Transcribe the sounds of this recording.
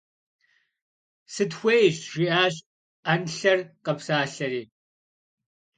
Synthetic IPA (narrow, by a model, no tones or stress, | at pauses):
sɨdxʷejɕʒʷiʔaːɕʼ | anɬɐrqɐpsaːɬɐɾiː